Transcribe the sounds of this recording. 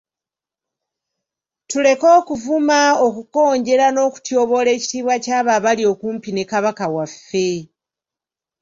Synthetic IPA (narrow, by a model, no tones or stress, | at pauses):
tule̞ko̞ːkuvumaokuko̞ːɲɟe̞ɾano̞ːku̥tjo̞βo̞le̞ːci̥tiːβwacaːβaβalio̞kuːmpine̞kaβakawafːe̞